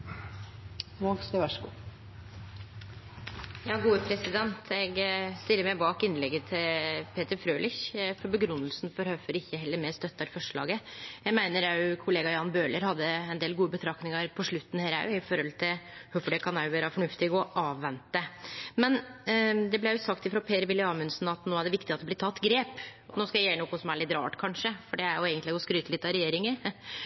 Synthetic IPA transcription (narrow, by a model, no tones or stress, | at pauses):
ʋɔɡskəʋæʂku | jɑːɡuːəpʰɾɛsɪd̪ɛnt̪ʰɛɡst̪ɪlːəɾmɛɪbɑːkɪnlɛɡːət̪ʰɪpʰeːt̪əɾfɾøːlɪçfɔɾbəɡɾʉnːəlsnfɔɾhœfɔɾɪçːəhɛlːəɾmɛst̪œt̪ːɑɾfɔʂɭɑ̰ːɡəjæɡmæɪnəɾɑʉkʰʊleːɡɑjɑnbøːləɾhɑd̪ːəɛnd̪eːlɡuːəbət̪ʰɾɑknɪŋɑɾpʰɔʂɭʉt̪ːn̩hæːɾæ̰ɪfɔɾhɔlt̪ʰɪlhœfɔɖɛkʰɑnæjʊʋæːɾɑfɔɳʉft̪ɪɡɔʔɑːʋːɛnt̪ːəmɛnd̪ɛblɛæjʊsɑkt̪ɪfɾɑpʰeːɾəʋɪlːɪɑːmʉnsnɑt̪noːæɖɛʋɪkt̪ɪɑt̪d̪ɛblɪɾt̪ʰɑt̪ːɡɾeːpɔnoːskɑjæɪjæːɾnɔːkʊsɔmæɭɪt̪ɾɑ̰ːʈkʰɑnʂəfɔɖɛæɾjʊeːɡənt̪lɪɛɡɔskɾyːt̪əlɪt̪ːɑɾɛjeːɾɪŋəɾ